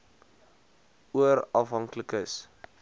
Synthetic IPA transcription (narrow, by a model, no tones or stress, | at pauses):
uəɾɐfɦɐŋkləkəs